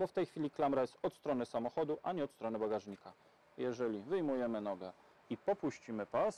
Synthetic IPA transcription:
bɔft̪ɛjxfʲilʲiklamɾajɛst̪ɔt̪st̪ɾɔnɘsamɔxɔd̪uʔaɲɛɔt̪st̪ɾɔnɘbaɡaʐɲika | jɛʐɛlʲivɘjmujɛmɘnɔɡɛ | ipɔpuɕt͡ɕimɘpas

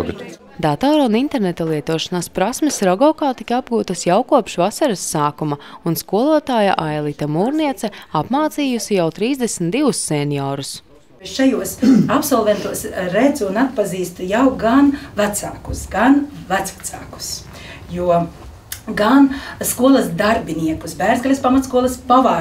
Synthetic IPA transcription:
ɡt̪ | d̪at̪ɔːɾunint̪ɛɾnet̪alˠiɛt̪uɔʃanaspɾasmɛsɾɔɡɔkaːt̪ikabɡuːt̪ɐsjawkuɔpʃvasaɾɨsːaːkumaunskuɔlˠuɔt̪aːja̰ʔajlˠit̪amuːɾniɛt̪sɛapmaːt̪siːjusijawt̪ɾiːzd̪esm̩t̪d̪iʋusːɛnjɔːɾus | ʃajuɔsapsɔlˠvɛnt̪uɔsɾɛd̪zuːnat̪̚paziːst̪ujawɡanvæt̪saːkusɡanvæt̪sat̪saːku̥s | juɔ | ɡanskuɔlˠɐsd̪aɾbʲiniɛkusbæːɾzɡalʲispamat̪skuɔlˠɐspavaː

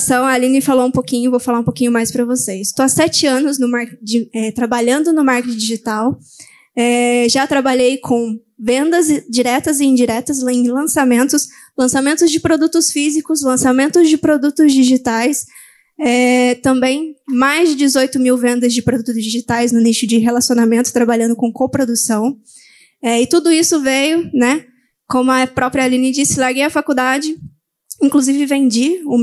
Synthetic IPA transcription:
sɐ̃w̃alĩnɪfaloũpokĩɲʊvowfalaũpokʲĩɲʊmajspɾɐvosesɪst̪oasɛt͡ʃɪɐ̃nʊznʊmaɾkd͡ʒɪɛt̪ɾabaʎɐ̃nd̪ʊnʊmaɾket͡ʃɪ̃d͡ʒiʒit̪aw | ɛʒat̪ɾabaʎejkʰõ | vẽnd̪ɐzd͡ʒiɾɛt̪ɐzɪĩd͡ʒiɾɛt̪ɐsẽj̃lɐ̃samẽnt̪ʊs | lɐ̃samẽnt̪ʊzd͡ʒɪpɾod̪ut̪ʊsfizikʊslɐ̃samẽnt̪ʊzd͡ʒɪpɾod̪ut̪ʊzd͡ʒiʒit̪ajs | ɛt̪ɐ̃mbẽj̃majzd͡ʒɪd͡ʒɪzojt̪ʊmiwvẽnd̪ɐzd͡ʒɪpɾod̪ut̪ʊzd͡ʒiʒit̪ajznʊniʃʊd͡ʒɪɦelasionamẽnt̪ʊ̥t̪ɾabaʎɐ̃nd̪ʊkõkopɾod̪usɐ̃w̃ | ɛɪt̪ud̪ʊisʊvejʊnɛ | kõmʊɐpɾɔpɾiɐalĩnid͡ʒisɪlaɾɡejɐfakud̪ad͡ʒɪ | ĩŋkluzivɪvẽd͡ʒiũ

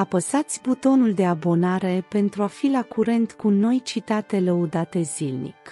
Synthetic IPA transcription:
apəsat̪sʲbut̪o̞nuld̪e̞abo̞naɾe̞pe̞nt̪ɾuafilakuɾe̞nt̪kuno̞jt͡ʃit̪at̪e̞ləud̪at̪e̞zilnḭk

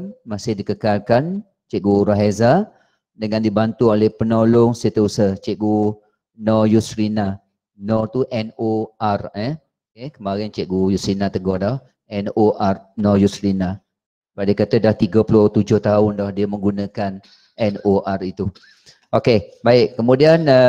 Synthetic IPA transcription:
nmasɪhdikəkalkan | t͡ʃɛʔɡuɾaɦeza | dəŋandibant̪uolɛhpənolʊŋsit̪əusət͡ʃɛʔɡu | nɔjusɾina | nɔ̃t̪uʔɛnoʔarə | okekəmaɾant͡ʃɛʔɡujusɾinat̪əɡɔhdɔh | ɛnoʔarnɔjusɾina | səbaʔ̚diəkat̪ədaht̪iɡapulʊt̪ud͡ʒʊht̪aʊndɔhdiəmə̃ŋɡunə̃kan | ɛnoʔarit̪u | ʔokebaɪʔkəmudianə

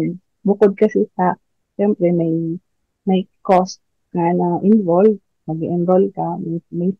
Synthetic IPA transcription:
bʊkod̪̚kɐsit̪a | ʃɛmpɾɛmɐj | mɐjkost̪̚ | kanaʔɪnvolv̚ | nɐɡiʔɪnbol̚kamɐmɐj

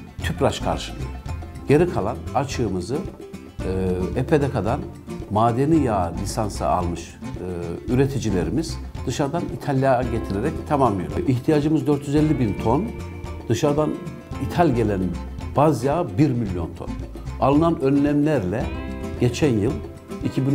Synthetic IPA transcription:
t̪ʰypɾat͡ʃkʰa̰ɾʃɯnɯɟ̥e̞ɾikʰalˠanat͡ʃʰɯːmɯzɯ | epʰe̞d̪ɛkʰad̪an | maːd̪e̞nijaːlʲisansɯ̰a̰lˠmɯʃ | yɾe̞t̪ʰid͡ʒilʲeɾimiz̥d̪̥ɯʃaɾd̪anit̪ʰalʲjaɟet̪ʰiɾeɾɛct̪ʰamamlˠɯjoɾʔiçt̪ʰijad͡ʒɯmɯzd̪ø̞ɾt̪ʰjyzɛlʲːibint̪ʰo̞n | d̪̥ɯʃaɾd̪an | it̪ʰalʲɟe̞lʲæn | b̥azjaːbiɾmilʲjo̞̰nt̪ʰo̞̰n | alˠɯnanønlʲæmlʲæɾlʲɛɟ̥e̞t͡ʃʰænjɯlˠ | icʰibin

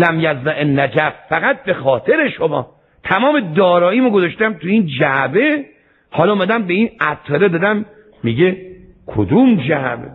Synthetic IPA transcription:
læmjæzd̪æʔenːæd͡ʒæffæɣæt̪̚be̞xɒːt̪ʰe̞ɾeʃomɒː | t̪ʰæmɒːme̞d̪ɒːɾɒːiːmoɡozɒʃt̪æmt̪ʰuiːnd͡ʒæbe | hɒːlɒːmæd̪æmbeiːnæt̪ʰːɒɾed̪ɒːd̪æmː | iɡe | kʰo̰d̪umd͡ʒæʔbe

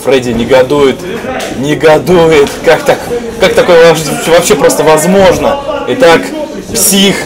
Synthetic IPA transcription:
fɾɛdʲɪnʲɪɡɐd̪ujʊt̪ | nʲɪɡɐd̪ujɪt̪kakt̪ak | kːak̚t̪ɐko̞jəvɐʂɨtʲsovɐpɕːe̞pɾo̞st̪əvɐzmo̞ʐnəɪt̪ak | psʲix

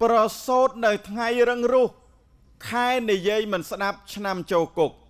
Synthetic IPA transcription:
prɑsoːt̪̚nɨwt̪ʰŋajɾɨŋrʊ̆əh | kʰaɛnijiəjmɨnsɗap̚t͡ɕʰnamt͡ɕoːkuk̚

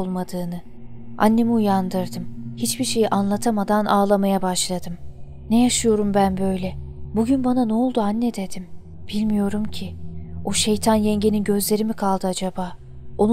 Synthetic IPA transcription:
lˠmad̪ɯːnɯ | ʔa̰nːemujand̪ɯɾd̪ɯmhit͡ʃbiɾʃe̞jiʔanlˠat̪ʰamad̪anʔaːlˠamajabaʃlˠad̪ɯm | nejaʃɯjo̞ɾumbænbø̞jlʲɛ | buɟynbananoolˠd̪uanːɛd̪e̞d̪im | b̥ilʲmijo̞ɾumcʰɪoʃe̞jt̪ʰanjɛɲɟeninɟø̞zlʲe̞ɾimikʰalˠd̪ɯad͡ʒabaː | o̞n

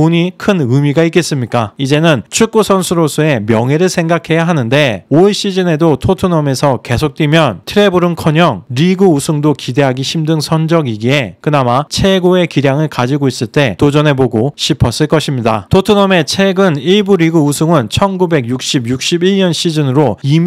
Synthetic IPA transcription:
oɲikʰɯnɯmiɡaik͈e̞s͈ɯmɲik͈aid͡ʑe̞nɯnt͡ɕʰuk͈usʰʌnsʰuɾosʰue̞mjʌŋɦe̞ɾɯɭsʰe̞ŋɡakʰe̞jaɦanɯnde̞oeɕ͈id͡ʑɯne̞dotʰotʰunʌme̞sʰʌke̞sʰok̚t͈wimjʌntʰɯɾe̞buɾɯnkʰʌɲʌŋɾiɡɯusʰuŋdokide̞ɦaɡiɕʰimdɯŋsʰʌnd͡ʑʌɡiɡie̞kɯnamat͡ɕʰe̞ɡoe̞kiɾjaŋɯɭkad͡ʑiɡois͈ɯɭt͈e̞tod͡ʑʌnɦe̞boɡoɕʰipʰʌs͈ɯɭk͈ʌɕʰimɲida̰tʰotʰunʌme̞t͡ɕʰe̞ɡɯniɭbuɾiɡuusʰuŋɯnt͡ɕʰʌnɡube̞ɡjuk̚ɕ͈ibjuk̚ɕ͈ibiɭɲʌnɕʰid͡ʑɯnɯɾoim

